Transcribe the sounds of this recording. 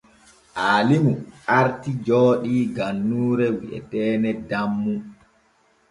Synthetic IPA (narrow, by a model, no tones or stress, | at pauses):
ʔaːlimuʔaɾtid͡ʒɔːɗiɡanːuːɾɛwiʔɛ̰tɛːnɛdamːu